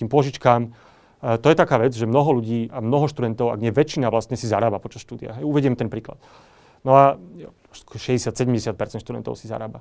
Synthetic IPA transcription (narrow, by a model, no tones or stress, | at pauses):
iːmpʊɔʒit͡ʃkaːm | t̪ɔjɛt̪akaːʋɛd͡zʒɛmnɔɦɔluɟiːamnɔɦɔʃt̪ud̪ɛnt̪ɔʊa̰ɡɲɛʋɛt͡ʃːinaʋlast̪ɲɛsizaɾaːbapɔt͡ʃasʃt̪uːd̪ia̰ɦɛjuʋɛɟiɛmt̪ɛnpɾiːkla̰t̪ | nɔḁ | kɔʃɛɟɛsɪat̪sɛɟɛmɟɛsjat̪̚pɛɾt͡sɛnʃt̪ud̪ɛ̰nt̪ɔ̰ʊsiza̰ɾa̰ːba̰